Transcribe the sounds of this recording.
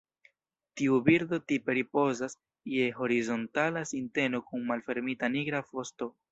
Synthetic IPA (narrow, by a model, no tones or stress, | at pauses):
tiubiɾdo̞tipe̞ɾipo̞zas | je̞ɦo̞ɾizo̞ntalasinte̞no̞kunmalfe̞ɾmitaniɡɾafo̞sto̞